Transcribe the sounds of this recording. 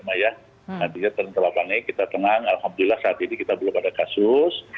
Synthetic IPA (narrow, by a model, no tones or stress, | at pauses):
maja | nant̪iɲat̪əɾnt̪əlapaŋikit̪at̪əŋaŋalhamd̪ulɪlːahsaːt̪inikit̪abəlʊkadakasʊs